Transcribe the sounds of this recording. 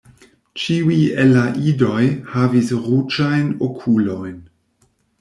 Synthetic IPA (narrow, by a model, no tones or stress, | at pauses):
t͡ʃiwielaʔidojhavisɾut͡ʃajnokʰulo̞jn